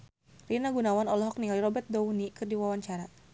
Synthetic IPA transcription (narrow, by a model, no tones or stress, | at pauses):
rinaɡunawanɔlɔɦɔk̚niŋaliɾɔbɛt̪̚dɔwnikɨrdiwawaɲt͡ʃaɾa